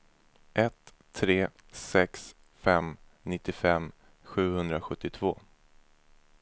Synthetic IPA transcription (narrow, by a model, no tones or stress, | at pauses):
ʔɛt̪ʰː | ɾeː | sɛks | fɛm | nɪt̪ːɪfɛm | ɧʉ̟ːhɵnd̪ɾaɧɵt̪ːɪt̪ʰv̥oː